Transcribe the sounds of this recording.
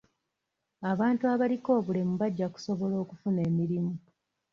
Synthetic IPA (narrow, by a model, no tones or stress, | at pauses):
aβaːntuaβaliko̞ːβule̞muβaɟːaku̥so̞βo̞lo̞ːkufune̞ːmiɾimu